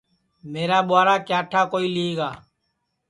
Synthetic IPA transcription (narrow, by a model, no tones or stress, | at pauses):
meːɾaːɓʊaːɾaːkjaːʈʰaːkoːiːlieːɡaː